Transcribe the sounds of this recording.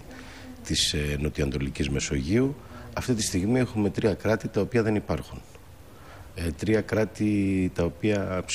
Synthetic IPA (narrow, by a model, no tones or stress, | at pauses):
t̪isno̞t̪iɐnd̪o̞licizme̞so̞ʝiu | ɐft̪it̪ist̪iɣmie̞xume̞t̪ɾiɐkɾɐt̪it̪ɐo̞piɐðe̞nipɐɾxun | et̪ɾiɐkɾɐt̪it̪ɐo̞piɐps